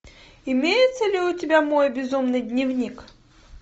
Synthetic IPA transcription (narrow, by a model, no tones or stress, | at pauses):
ɪmʲejɪt̪səlʲɪʊtʲɪbʲamo̞jbʲɪzumnɨjd̪ʲnʲɪvnʲik